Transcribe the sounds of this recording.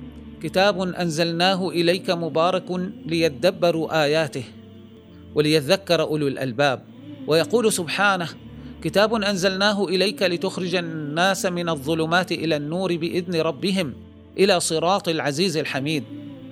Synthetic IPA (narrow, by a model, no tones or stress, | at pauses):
kɪt̪aːbʊnʔanzalnaːɦʊʔɪlajkamʊbɑːɾˤɑklɪjat̪ad̪abːɑɾˤuːʔaːjaːt̪ɪh | walɪjat̪aðakːɑɾˤɑʔʊlwalʔa̰lbaːb̚ | wʔajɑquːlsʊbħaːnahkɪt̪aːbʊnʔanzalnaːɦʊʔɪlajkalɪt̪ʊxɾɪd͡ʒanːaːsmɪnɑðˤːʊlʊmaːt̪ʔɪlaːnːuːɾɪbɪʔɪðnɪɾˤɑbːɪɦɪm | ʔɪlaːsˤɨɾˤɑːt̪ˤɪlʕaziːzɪlħamiːd̪̚